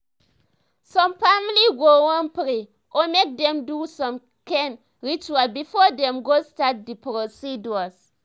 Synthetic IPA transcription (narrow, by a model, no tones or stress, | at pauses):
sɔ̃mfamliɡowɔ̃npɾi | ʔɔmek̚dɛ̃mdusɔ̃m | kɛ̃n | ɹit͡ʃuabifɔdɛ̃mɡostat̚dipɾosiduas